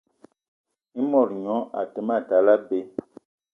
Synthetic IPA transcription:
i˦mɔ˨ɾɲɔ̃˨˦ʔa̰˨tə˨ma˦˨ta˨la˦be˦

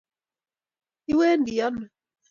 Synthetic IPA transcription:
i˦wɛ˦ndi˨ɔ˦nɔ˨

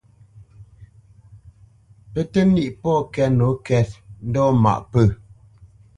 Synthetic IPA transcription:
pə˦tə˦ni˦ʔpɔ˦˨kɛ˦no˨˦kɛ˦t̚n̩˦dɔ˦ma̰˨ʔpə˦˨

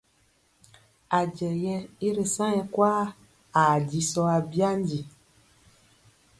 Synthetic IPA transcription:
a˨d͡ʒɛ˨jɛ˦i˦ɾe˨sã˦jɛ˨kwaː˦ | a˨di˨sɔ˦a˨bi˦a˦n˦di˨

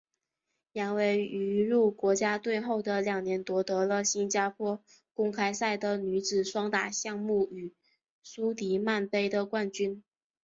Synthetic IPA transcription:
ja˧˥nwe˧˥ɪy˧˥ɻu˥˩kwɔ˧˥t͡ɕja˥t̪we˥˧ɪxo˥˩ʊd̪ə˩ljɑ˨˩ŋnjɛ˧˥nt̪wɔ˧˥t̪ɤ˧˥lə˧ɕi˥nt͡ɕja˥pʰwɔ˥ | kʊ˥ŋkʰa˥ɪsa˥˩ɪd̪ə˩ny˧˥t͡sɹ̩ɻ̩˨˩ʂwɑ˥ŋt̪a̰˨˩ɕjɑ˥˧ŋmu˥˩y˨˩ | su˥t̪i˧˥ma˥˩npe˥ɪd̪ə˨kwa˥˩nt͡ɕy˥n

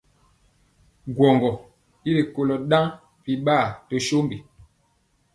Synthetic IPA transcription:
ɡwɔ˨ŋɡɔ˨ | i˦li˨ko˨lɔ˨ɗã˦ | pi˨ɓaː˦˨to˦ʃo˦mbi˨

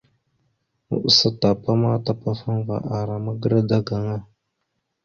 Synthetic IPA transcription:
mṵ˨ʔsa˨ta˨pa˦ma˦ta˦pa˦fa˦n˦va̰˨ʔa˨ɾa˨ma˦ɡə˦ɾa˦da˦ɡa˨ŋa˦

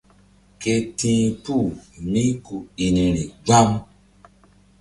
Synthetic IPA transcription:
ke˧tĩː˨˦pu˦˨mĩ˦ku˨i˨nĩ˨ɾĩ˨ɡ͡ba˦m˦

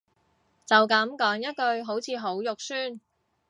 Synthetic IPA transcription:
t͡sɐ˨wkɐ˨˥mkɔː˨˥ŋjɐ˥t̚kɵ˧ɥɦo˨˥wt͡sʰiː˨˧ɦo˨˥wjʊ˨k̚syː˥n

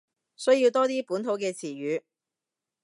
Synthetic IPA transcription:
sɵ˥ɥjiː˧wt̪ɔː˥t̪iː˥puː˨˥nt̪ʰo˨˧˥wkɛː˧t͡sʰiː˨˩ɥyː˨˧˥

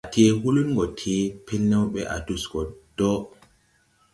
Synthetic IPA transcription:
a˨tʰe˦wu˦lu˦nŋɡɔ˨tʰe˦pʰɛ˦lnɛ˦wɓɛ̰ʔa̰˨duskɔ˨d̥ɔ˦

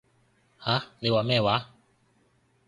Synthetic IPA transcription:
ha˦˥le˧wa˧˦mɛː˥˧˨wa˨˦

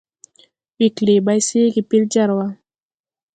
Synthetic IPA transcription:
wi˨kli˨ba˧˦jsi˦ɡi˨pi˦ld͡ʒa˦˨ɾwa˦

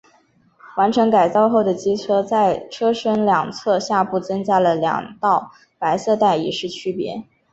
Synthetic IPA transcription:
wa˧˥nʈ͡ʂʰɤ˧˥ŋka˨˩ɪt͡sɑ˥˧ʊxo˥˩ʊd̪ə˩t͡ɕi˥t͡sʰɤ˥t͡sa˥˩ɪʈ͡ʂʰɤ˥ʂə˥nljɑ˨˩ŋt͡sʰɤ˥˧ɕja˥˧pu˥˩t͡sɤ˥ŋt͡ɕja˥lə˨ljɑ̰˨˩ŋt̪ɑ˥˩ʊ | pa˧˥ɪsɤ˥˧t̪a˥˩ɪḭ˨˩ʂɻ̩˥˩t͡ɕʰy˥pjɛ̰˧˥

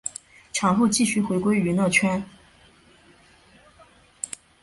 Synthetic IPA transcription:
ʈ͡ʂʰɑ˨˥ŋxo˥˧ʊt͡ɕi˥˩ɕy˥˩xwe˧˥ɪkwe˥ɪy˧˥nɤ˥˩t͡ɕʰɥɛ˥n

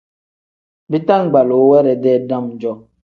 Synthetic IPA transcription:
bi˦ta˦ŋ̩˨ɡ͡ba˨lo˨˦wɛ˦ɾɛ˨dɛ˦˨da˦m̩˨d͡ʒɔ˦

